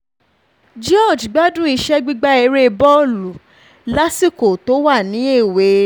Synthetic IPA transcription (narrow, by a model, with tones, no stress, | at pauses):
d͡ʒɔ˦˨d͡ʒɡ͡ba˦dũ˦i˧ʃɛ˦ɡ͡bi˦ɡ͡ba˦e˧ɾe˦˧bɔ˦lu˨˦ | la˦si˦˨ko˨to˨˦wa˦˨nĩ˨˦e˦˨we˨˦